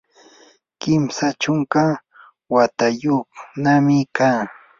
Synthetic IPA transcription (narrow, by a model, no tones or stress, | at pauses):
kɪmsat͡ʃʊŋka | wat̪ajoχnamɪkaː